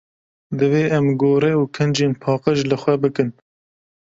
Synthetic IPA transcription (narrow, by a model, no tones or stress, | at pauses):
d̪ɨveːʔɛmɡoːɾɛuːkʰɨnd͡ʒeːnpʰɑːqəʒlɨxʷɛbɨkɨn